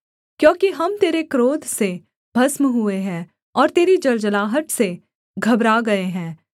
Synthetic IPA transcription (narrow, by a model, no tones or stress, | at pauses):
kjõːkiɦɐmt̪eːɾekɾoːd̪ʱse | bʱɐsmɦueɦɛ̃ː | ɔːɾt̪eːɾid͡ʒɐld͡ʒəlaːɦəʈse | ɡʱɐbɾaɡɐeɦɛ̃ː